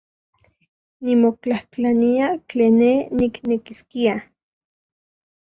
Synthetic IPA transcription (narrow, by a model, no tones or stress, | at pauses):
nimokt͡ɬahklaniat͡ɬeːnːeniknekiskia